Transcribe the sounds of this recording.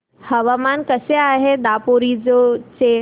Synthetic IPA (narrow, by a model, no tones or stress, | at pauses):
hɐʋaːmaːnkɐseaːɦed̪aːpoːɾid͡ʑot͡ɕe